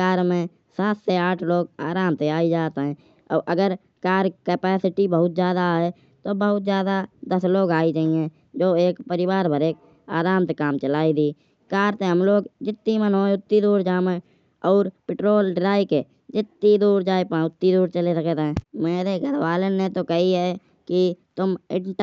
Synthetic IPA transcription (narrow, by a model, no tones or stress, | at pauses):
aːɾmẽ | saːt̪seaːʈʰloːɡ̚aːɾaːmt̪eaːid͡ʒaːt̪ɦɛ̃ː | ɔ̰ːɾʔəɡəɾ | kaːɾkəpɛːsɪʈibəɦʊt̪̚d͡ʒjaːd̪aɦe | t̪obəɦʊt̪̚d͡ʒjaːd̪ad̪əsloːɡaːit͡ʃaːie | d͡ʒoːeːkpəɾɪwaːɾbəɾeːk̚ | aːɾaːmt̪ekaːmt͡ʃəlaːid̪iː | kaːɾt̪eɦəmloːɡd͡ʒɪt̪ːimənɦoːeʊt̪ːid̪uːɾd͡ʒaːmẽ | ɔːɾpɪʈɾoːlɖɾaːike | d͡ʒɪt̪ːid̪uːɾd͡ʒaːipãʊt̪ːid̪uːɾt͡ʃəlesəkt̪ɛ̃ːmeːɾeɡʱəɾwaːlənːet̪okəɦiɦɛ | kit̪ʊmɪʈ